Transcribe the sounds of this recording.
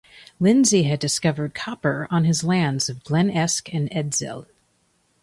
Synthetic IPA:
lɪ̃nziɨdɨskʌvə˞d̚kʰɑpə˞ə̃nɨzlæ̃ndz̥ʌvɡlɛ̃nɛskɨ̃nɛdzɪ̰lˠ

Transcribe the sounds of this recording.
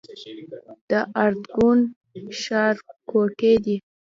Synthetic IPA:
d̪̥əʔaɾd̪ɡun | ʃɑɾkoked̪i

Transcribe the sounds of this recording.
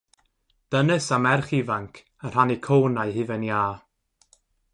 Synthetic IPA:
d̥ənɨsamɛrχivaŋkʰ | ər̥anikʰownaɨɦɨvəniaː

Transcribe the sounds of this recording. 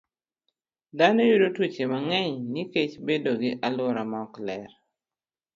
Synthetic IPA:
danojudotwut͡ʃemaŋɛɲniket͡ʃbedoɡɪʔalʊɾamaɔklɛɾ

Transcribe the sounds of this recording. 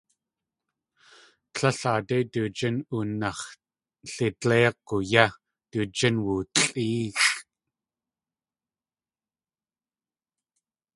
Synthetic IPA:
ɬʰɐɬaːt̪et̪ut͡ʃɪnunɑχ | ɬeteːq̚ːoja | t̪ut͡ʃənwut͡ɬʼiːx

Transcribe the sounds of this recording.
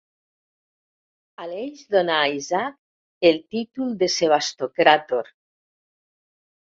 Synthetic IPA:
aleʒðonaːizak | elt̪it̪ulˠd̪eseβ̞ast̪okɾat̪oɾ

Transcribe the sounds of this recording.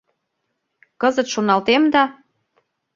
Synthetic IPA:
kɤzə̆t̪ʃonɑlt̪emd̪ɑ

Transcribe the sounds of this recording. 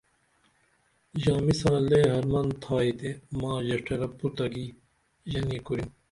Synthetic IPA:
d͡ʑaːmisãːleːɦɐɾmɐnt̪ʰaːit̪emãːʑɐʂʈʰɐɾɐpːut̪ɐɡiː | ʑɐniːkuɾim

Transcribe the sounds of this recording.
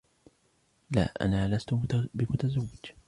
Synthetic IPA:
la̰ːʔa̰naːlast̪ʊbɪmʊt̪azawːɪd͡ʒ

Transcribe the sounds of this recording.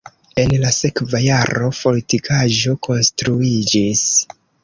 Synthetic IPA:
e̞nlase̞kvajaɾo̞po̞litikʰaʒo̞kʰo̞nstɾuid͡ʒis

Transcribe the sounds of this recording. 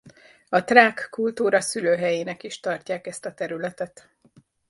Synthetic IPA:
ɒt̪raːkːult̪uːɾɒsyløːɦɛjeːnɛkiʃt̪ɒrcaːkɛst̪ɒt̪ɛɾylɛt̪ɛt̪

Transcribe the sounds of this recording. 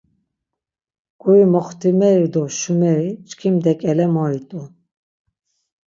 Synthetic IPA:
ɡ̥ʼuɾimɔχt̪ʰimɛɾid̪ɔʃumɛɾit͡ʃkʰimd̪ɛkʼɛlɛmɔɾit̪ʼu

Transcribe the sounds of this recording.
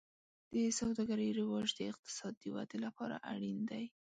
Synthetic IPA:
d̪̥əsawd̪ɑɡaɾəjɾɪwɑʒd̪əɪq̚t̪ɪ̥sɑd̪ːəwa̰d̪elapɑɾa̰ʔa̰ɽind̪aj

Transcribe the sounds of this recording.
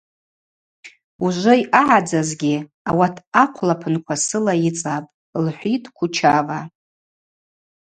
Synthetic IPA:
uʒʷɨjʔaʕad͡zazɡʲi | awatʰakʷʰlapʰɨnkʷʰasɨlajit͡sʼapʼ | lħʷitʼkʷʰʊt͡ʃʰava

